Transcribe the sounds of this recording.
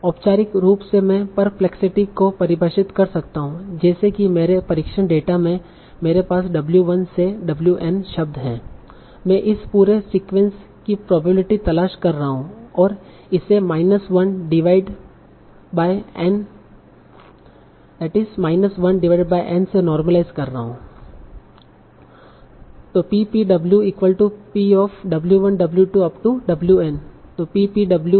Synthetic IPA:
ɔːpt͡ʃaːɾɪkɾuːpsemɛ̃pɐɾplɛksɪʈikopɐɾɪbʱəʃɪt̪kɐɾsɐkt̪aɦũd͡ʒɛːsekimeːɾepɐɾɪkʃəɽ̃ɖeːʈamẽ | meːɾepaːsɖɐbljuʋɐnseɖɐbljuʔɛnʃɐb̚d̪ɦɛ̃ː | mɛ̃ʔɪspuːɾesiːkʋɛ̃ns | kipɾɔːbəbɪlɪʈit̪ɐlaːʃkɐɾːaɦaɦũɔːɾ | ɪsemaːɪnəsʋɐnɖɪʋaːɪɖ | baːɪɛ̃n | d̪ɛːʈɪzmaːɪnəsʋɐnɖɪʋaːɪɖbaːiʔɛ̃ːnsenɔːɾməlaːɪzkɐɾːɐɦɦũː | t̪oːpiːpiːɖɐbljuiːkʋəlʈupiːɔːfɖɐbljuʋɐ̃nɖɐbljuʈuɐpʈuɖɐbljuɛnt̪oːpiːpiɖɐblju

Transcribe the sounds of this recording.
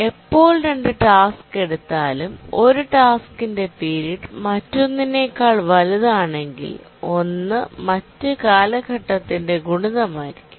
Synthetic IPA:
e̞pːo̞ːɭɾeɳɖɨʈaːske̞ɽut̪ːaːlumo̞ɾuʈaːskinde̞piːɾiʈmɐtːo̞nːine̞ːkːaːɭʋɐluðaːɳe̞ŋɡḭl | o̞nːɨmɐtːɨkaːlɐɡʱɐʈːɐt̪ːinde̞ɡuɳuðɐmaːjiɾikʲːu̥

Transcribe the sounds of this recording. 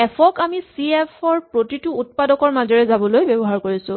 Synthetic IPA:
ɛpʰɔkamisiepʰɔɹpɹotitʊːt̚padɔkɔɹmazɔɹɛzabɔlojbɛbɔɦaɹkoɹisʊ̃

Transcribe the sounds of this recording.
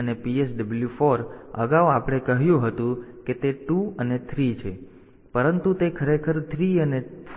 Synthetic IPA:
ənepiesɖəbəljufoɾə̰ɡaʋapɽ̃ekəɦjũɦət̪ũket̪eʈuənet̪ʰɾit͡ʃʰe | pəɾənt̪ut̪ekʰəɾekʰəɾt̪ʰɾiəne

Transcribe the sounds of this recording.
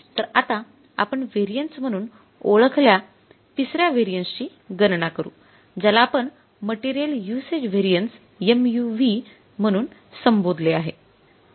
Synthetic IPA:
t̪əɾat̪a | a̰pəɳʋeɾijəɳʈsm̤əɽ̃uːn | oɭəkʰlja | t̪isɾjaʋeɾijənst͡ɕiː | ɡənɳakəɾṵː | d͡ʑalaːpəɳ | məʈiɾijəljused͡ʑʋeɾijəns | emjuʋi | m̤əɽ̃uːnsəmbod̪ʱleaɦe

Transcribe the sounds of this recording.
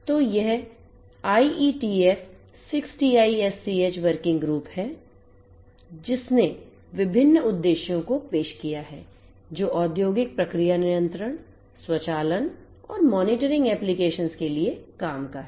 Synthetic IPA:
t̪oːjɛɦ | aːiʔiːʈiːɛːf | sɪksʈiaːiɛsːiːeːt͡ʃʋəɾkɪ̃ŋɡɡɾuːphɛː | d͡ʒɪsne | ʋɪbʱɪnːʊd̪ːeːʃjõkopeːʃkijaɦɛː | d͡ʒoːʔɔːd̪joːɡɪk̚pɾɐkɾijanɪjə̃nt̪ɾəɽ̃ | swɐt͡ʃaːlən | ɔ̰ːɾmɔːnɪʈəɾɪ̃ŋɡɛːplikeːʃənskeliekaːmkaɦɛː

